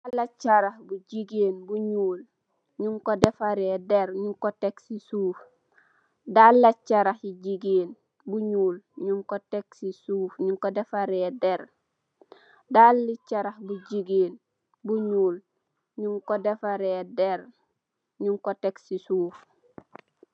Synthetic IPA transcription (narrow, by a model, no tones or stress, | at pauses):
alat͡ʃːaɾahbuɟiɡeːnbuɲuːl | ɲuŋkodefaɾedeɾɲuŋkoteksisuːf | dalːat͡ʃːaɾahiɟiɡeːn | buɲuːlɲuŋkoteksisuːfɲuŋkodefaɾeːdeɾ | dalːit͡ʃaɾahbuɟiɡeːn | buɲuːl | ɲuŋkodefaɾedeɾ | ɲuŋkoteksisuːf